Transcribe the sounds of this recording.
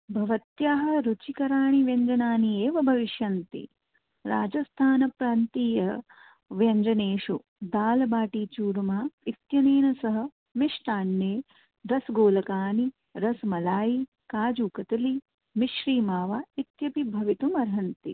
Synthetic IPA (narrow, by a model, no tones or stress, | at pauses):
bʱɐʋɐt̪jaːɦɐ̆ɾut͡ʃikɐɾaːɳiʋjɐɲd͡ʒɐnaːnieːʋɐbʱɐʋiʃjɐnt̪ḭ | ɾaːd͡ʒɐst̪ʰaːnɐpɾaːnt̪iːjɐ | ʋjɐɲd͡ʒɐneːʃu | d̪aːlɐbaːʈiːt͡ʃuːɾmaːit̪jɐneːnɐsɐɦɐ̆ | miʂʈ̪aːnːeː | ɾɐsɡoːlɐkaːni | ɾɐsmɐlaːji | kaːd͡ʒuːkɐt̪ɐli | miʃɾiːmaːʋaːit̪jɐpibʱɐʋit̪umɐɾɦɐnt̪ḭ